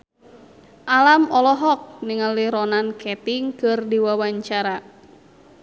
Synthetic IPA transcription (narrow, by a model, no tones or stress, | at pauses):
ʔalamɔlɔɦɔk̚niŋaliɾɔnankɛt̪iŋkɨrdiwawaɲt͡ʃaɾa